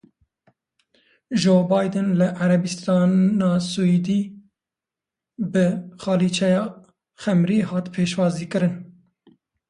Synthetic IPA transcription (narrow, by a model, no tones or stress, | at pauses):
d͡ʒoːbɑːjd̪ɨnlɨʔaɾɛbist̪ɑːnnɑːsuid̪iː | bɨxɑːliːt͡ʃʰɛjɑː | xɛmɾiːhɑːt̪pʰeːʃwɑːziːkɨɾɨn